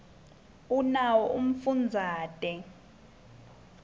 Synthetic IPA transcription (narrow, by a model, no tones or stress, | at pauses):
unawɔʔum̩fund͡zʱaːtʼɛ